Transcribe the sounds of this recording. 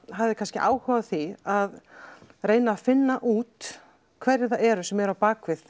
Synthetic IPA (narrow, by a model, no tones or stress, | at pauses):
ɦavðɪkʰanscɪʔa̰ːwhʏvaθiaðrɾeːjnaːfɪnːaʔuːt̪ | kʰvɛɾɪɾθaɛɾʏsɛmɛɾawpaːkvɪθ